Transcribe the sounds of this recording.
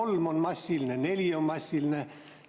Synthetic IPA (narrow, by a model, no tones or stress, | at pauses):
olmonmɑsʲːilneneljommɑsʲːilne